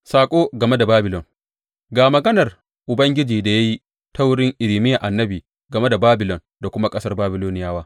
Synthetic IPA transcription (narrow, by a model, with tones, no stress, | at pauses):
saː˨kʷʼoː˦ɡɐ˨me˦da˨baː˦bɪ˨lɔ˨ŋ | ɡaː˨mɐ˨ɡɐ˦nɐ˨r | ʔʊ˨bɐ˦ŋɡʲɪ˦d͡ʒiː˨da˨ja˦ji˦ | ta˦wʊ˦ɽɪ˦ŋʔɪ˨lɪ˨mɪ˦ja˨ʔa˨nːɐ˦biː˨ | ɡɐ˨me˦da˨baː˦bɪ˨lɔ˨n | da˨kʷʊ˦ma˦kʼɐ˦sɐ˦rbaː˦bɪ˨loː˦nɪ˨jaː˦waː˦